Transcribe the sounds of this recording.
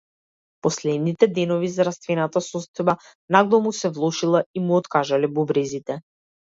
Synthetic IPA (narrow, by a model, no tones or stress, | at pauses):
pɔslɛd̪nit̪ɛd̪ɛnɔvizaɾast̪vɛnat̪asɔst̪ɔjba | naɡlˠɔmusɛvlˠɔʃilˠaimuɔt̪kaʒalɛbɔbɾɛzit̪ɛ